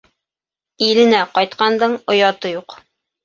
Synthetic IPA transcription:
ilɘ̆næqɒjt̪̚qɑnd̪ɤɴŏjɑt̪ɤjuq

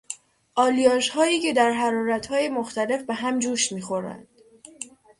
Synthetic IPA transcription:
ʔɒːlijɒːʃhɒːiːcʰe̞d̪æɾɦæɾɒːɾæt̪hɒːje̞moxt̪æle̞fbe̞ɦæmd͡ʒuːʃmiːxo̞ɾæ̰nd̪̥

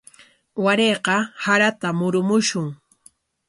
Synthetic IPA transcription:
waɾeːqɑhaɾat̪amʊɾʊmʊʃʊŋ

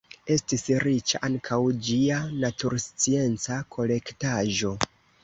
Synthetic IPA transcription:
e̞stisɾit͡ʃa̰ʔaŋkʰawd͡ʒianatuɾst͡sie̞nt͡sakʰo̞le̞ktaʒo̞

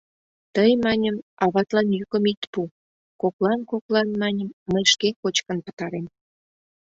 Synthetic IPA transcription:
t̪əjmɑnʲəmɑβɑt̪lɑnjykə̆mit̪pu | koklɑnkoklɑnmɑnʲəmməjʃkekot͡ɕkə̆npə̥̆t̪ɑɾem

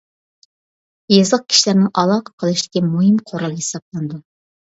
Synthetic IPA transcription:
jɑzəq̚kʲʰi̥ʃlæɾnɪŋɑlˠɑqʰə̥qʰəlˠɨʃt̪ɪ̥kʲimuɦɨmqʰoɾɑlˠɡʲhesɑb̚lˠɑnd̪u

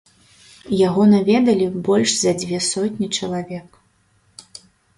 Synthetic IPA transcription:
jaɣɔnavʲɛd̪ɐlʲibɔlʲʂzɐd͡zʲvʲɛsɔtʲnʲit͡ʂɐlˠavʲɛk

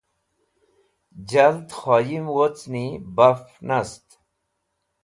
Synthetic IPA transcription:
d͡ʑɐlt̪xoːjimwot͡snibafnɐst̪

